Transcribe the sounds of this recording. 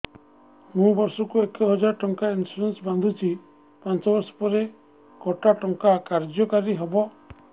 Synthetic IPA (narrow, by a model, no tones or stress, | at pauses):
mũbɔɾsɔkuekɔɦɔd͡ʒaɾʈɔŋkainsuɾensband̪ʱut͡ʃʰi | pant͡ʃɔbɔɾsɔ̥pɔɾe | kɔʈaʈɔŋkakaɾd͡ʒɔkaɾiɦɔbɔ